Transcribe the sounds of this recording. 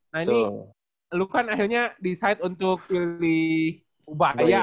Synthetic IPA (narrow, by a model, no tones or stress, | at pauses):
naini | lukanaɦilɲadisajt̪unt̪ʊk̚pilɪh | ubaja